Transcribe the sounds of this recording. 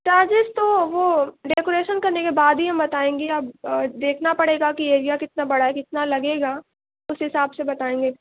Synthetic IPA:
t͡ʃaːd͡ʒɪst̪oʋoɖeːkoːɾeːʃənkɐɾnekebaːd̪ɦiɦɐmbɐt̪aːẽːŋɡeɐbd̪eːkʰnapɐɽeːɡakieːɾijakɪt̪̚nabɐɽaɦɛkɪt̪nalɐɡeːɡaː | ʊsɦɪsaːbsebɐt̪aːẽːŋɡeː

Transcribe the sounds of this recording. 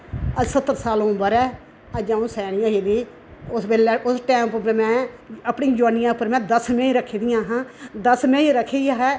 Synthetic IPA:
əsət̪ːəɾsaːlõmbəɾɛː | əd͡ʒãːũːsɛːɽ̃ɪjãːiːd̪iː | ʊsbeːlɛʔʊsʈɛ̃ːmpmɛ̃ː | əpɳĩd͡ʒʋaːnɪjãːʊpːəɾmɛ̃ːd̪əsmẽːiɾəkʰːeːd̪ɪjãːɦãːd̪əsmẽiɾəkʰejaːɦɛː

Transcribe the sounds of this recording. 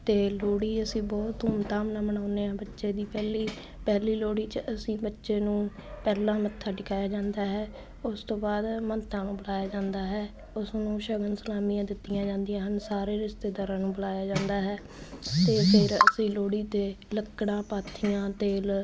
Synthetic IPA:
t̪eːloːɽiːəsĩːbɔːt̪ɦʊmt̪aːmnãːməɳ̃aːʊneːɛ̃ːbətːʃeːd̪iːpɛːliː | pɛːliːloːɽiːt͡ʃəəsĩːbətːʃeːnũːpɛːlãːmət̪ʰːaːʈɪkʰaːjaːd͡ʒãːnd̪aːɦɛː | ʊst̪õːbaːd̪mənt̪ʰːãːnũːbəlaːjaːd͡ʒãːnd̪aːɦɛː | ʊsnũːʃəɡənsəlaːmijãːd̪ɪt̪ːɪjãːd͡ʒãːnd̪ɪjãːɦənsaːɾeːɾɪst̪eːd̪aːɾãːnũːbəlaːjaːd͡ʒãːnd̪aːɦɛː | t̪eːpʰɪɾə̰sĩːloːɽiːt̪eː | ləkːɽãːpaːt̪ʰɪjãːt̪eːl

